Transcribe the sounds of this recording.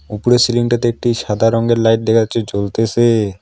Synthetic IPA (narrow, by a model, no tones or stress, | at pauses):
upuɾesiliŋʈat̪eek̚ʈiʃad̪ʱaɾɔŋɡeɾlajʈ̚d̪ekʰat͡ɕʰet͡ɕolt̪et͡ɕʰe